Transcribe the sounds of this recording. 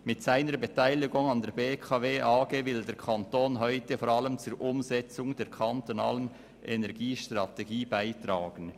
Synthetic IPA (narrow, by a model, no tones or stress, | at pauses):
mɪtsaɪnəɾbetʰaɪlɪɡʊŋɑndɛːɾbeːkʰɑveːʔaːɡeːvɪldeːɾkʰɑntoːnɦɔʏtəfɔɾɑləmt͡sʊɾʔʊmzɛt͡sʊŋd̥eːɾkʰɑntonɑːlən | ʔɛnɛɾɡiːʃtʁɑteɡiːbaɪtɾaːɡ̥ən